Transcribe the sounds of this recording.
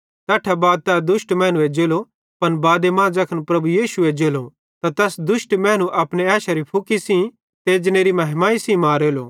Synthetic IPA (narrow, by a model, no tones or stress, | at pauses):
t̪ɛːʈʰabaːd̪̚t̪ɛd̪ʊʃʈmɛ̃ːñũed͡ʒeːlo | pɐnbaːd̪emãːd͡ʒɐkʰənpɾɐbujiːʃued͡ʒeːlo | t̪at̪ɛːsd̪ʊʃʈmɛ̃ːñũʔɐpneaːʃaɾipʰʊkisĩ | t̪eːd͡ʒñeːɾimɐɦmãːisĩmaːɾeːloː